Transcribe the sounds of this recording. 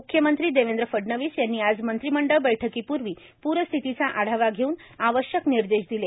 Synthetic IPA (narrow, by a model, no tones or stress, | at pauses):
mukʰjəmənt̪ɾiːd̪eʋend̪ɾəfəɖnəʋiːsjanːiːad͡zmənt̪ɾiːməɳɖəɭbəjʈʰəkiːpuɾʋiː | puɾəst̪ʰit̪it͡saʔaɽ̤aʋaɡʱeuːnaʋəɕjəkniɾd̪eɕd̪ile